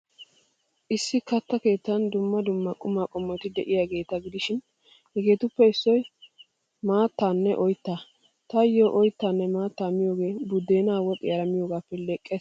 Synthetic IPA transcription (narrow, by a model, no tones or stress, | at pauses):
ʔɪsːɪkɐt̪ːɐke̞ːt̪ːɐnd̪ʊmːɐd̪ʊmːɐkʼʊmaːkʼɔmːɔjt̪ɪd̪ɛʔɪjaɡe̞ːt̪ɐɡɪd̪ɪʃɪn | hɛɡe̞ːt̪ʊpːɛɪsːɔj | maːt̪ːaːnːɛʔɔjt̪ːa | t̪ɐjːoʔɔjt̪ːaːnːɛmaːt̪ːaːmɪjo̞ːɡe̞ːbʊd̪ːe̞ːnaːwɔt̪ʼɪjɐɾɐmɪjoːɡaːpːɛlɛkʼːes